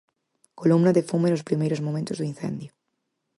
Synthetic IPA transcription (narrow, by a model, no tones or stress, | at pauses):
kolumnaðefumenlospɾimejɾo̞zmomẽnt̪ozðuinθẽ̞̰nd̪jo